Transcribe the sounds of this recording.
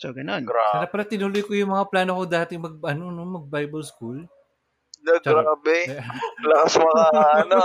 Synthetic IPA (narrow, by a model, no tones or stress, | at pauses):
soɡɐnonɡɾaɾɐpɐɾɐt̪ɪnʊlojkojʊŋmɐŋaplaːnokod̪aːht̪ɪŋmɐɡ̚ʔɐnonomɐɡ̚bajbɐlskul | nɐɡɾaːbɛlɐkɐsmɐŋaʔɐna